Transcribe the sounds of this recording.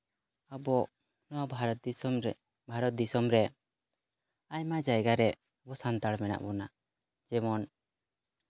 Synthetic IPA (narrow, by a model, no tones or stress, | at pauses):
abɔʔ | nɔwabʱaɾɔt̪ | bʱaɾɔt̪̚d̪isɔmɾɛ | aɲmad͡ʒajɡaɾɛ | bɔsant̪aɽmɛna̰ʔbɔna | d͡ʒɛmɔn